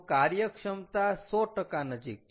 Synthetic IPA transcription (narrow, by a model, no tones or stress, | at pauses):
kaɾjəkʂəmt̪asɔʈəkanəd͡ʒik̚